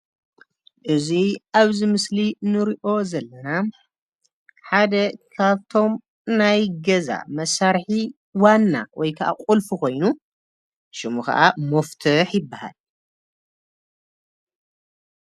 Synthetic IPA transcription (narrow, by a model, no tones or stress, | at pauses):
ʔɨziʔaβzimɨslinɨɾiʔo̞zɐlːɐna | ħad̪ɐkʰaβt̪ʰo̞m | najɡɐza̰mɐsaɾħi | wanːa̰wʔɔjkʰɐʔa̰qʼulfuko̞jnu | ʃɨmukɐ̰ʔamɐft̪ʰɨħjɪbːaha̰l